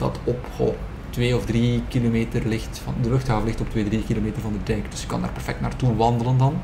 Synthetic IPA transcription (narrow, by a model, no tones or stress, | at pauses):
dɑ̰tɔpo̰ | tʋeːɔvdrikilomeːtərlɪxtfɑndəlɵxtɦaːvəlɪxtɔptʋeːdrikiloːmeːtərvɑndədɛŋkd̥ʏsjə̥kɑ̰ndaːrpɛrfɛk̚tnaːrtuʋɑndələndɑn